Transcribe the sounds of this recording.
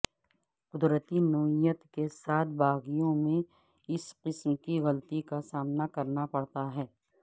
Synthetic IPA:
qʊd̪ɾət̪inoːijət̪kesaːt̪̚ʰbaːɣijõmẽ | ɪsqɪsmkiɣɐlt̪ikasaːmnakɐɾnapɐɽt̪aɦɛː

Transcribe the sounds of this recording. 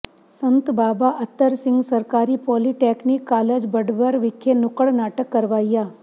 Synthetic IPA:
sənt̪baːbaʔət̪ːəɾsɪ̃ŋɡsəɾkaːɾipɔliʈeknikːaːled͡ʒbəɖbəɾʋɪkʰːenʊkəɭnaːʈəkːəɾʋaːjja

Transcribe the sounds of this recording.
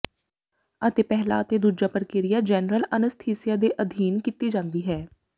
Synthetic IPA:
ət̪eːpɛɦla̰ːət̪eːd̪uːd͡ʒaːpəɾkeːɾɪjaːd͡ʒɛːnɾələnəst̪ʰiːsɪjaːd̪eːʔəd̪ʱiːnkit̪iːd͡ʒãːnd̪iːɦɛː

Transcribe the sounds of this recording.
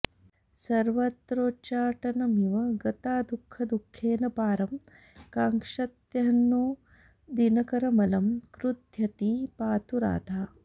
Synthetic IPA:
sɐɾʋɐt̪ɾoːt͡ʃaːʈɐnɐmiʋɐɡɐt̪aːd̪ukʰːɐd̪ukʰːeːnɐpaːɾɐm | kaːŋkʂɐt̪jɐɦɐnːu | d̪inɐkɐɾɐmɐlɐmkɾud̪ʱjɐt̪ipaːt̪uɾa̰ːd̪ʱaː

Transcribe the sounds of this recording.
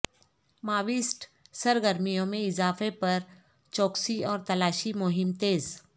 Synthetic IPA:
maːʋɪsʈsɐɾɡəɾmijõmẽɪzaːfepɐɾ | t͡ʃɔːksiɔːɾt̪ɐlaːʃimʊɦɪmt̪eːz

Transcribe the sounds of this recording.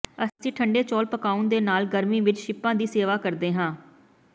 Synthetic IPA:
əsĩːʈʰəɳɖeːt͡ʃɔːlpəkaːund̪eːnaːlɡəɾmĩːʋɪt͡ʃʃɪpːãːd̪iːseːʋaːkəɾd̪eːɦãː

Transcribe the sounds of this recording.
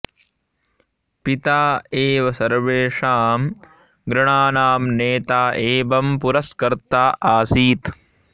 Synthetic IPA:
pit̪aːeːʋɐsɐɾʋeːʂaːm | ɡɾɐɳaːnaːmneːt̪aːʔeːbɐmpuɾɐskɐɾt̪aːʔaːsiːt̪

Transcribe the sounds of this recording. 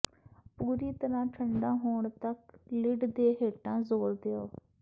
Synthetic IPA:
puːɾiːt̪əɾãːʈʰəɳɖãːɦoːɳt̪əklɪɖd̪eːɦeːʈãːzoːɾd̪eoː

